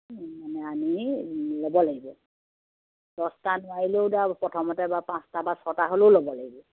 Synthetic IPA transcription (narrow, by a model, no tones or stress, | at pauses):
manɛamilobɔlaɡibɔ | d̥ɔstanʊwaɹiloʊdapɔtʰɔmɔtɛbapãstabasɔtaɦoloʊlobɔlaɡibɔ